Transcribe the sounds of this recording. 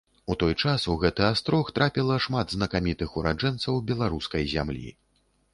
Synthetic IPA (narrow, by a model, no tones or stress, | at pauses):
ut̪ɔjt͡ʂasuɣɛt̪ɨast̪ɾɔxt̪ɾʔapʲilˠɐʂmad̪znɐkamʲit̪ɨxuɾad͡ʐɛnt̪sɐwbʲɛlˠaɾuskɐjzʲa̰mlʲḭ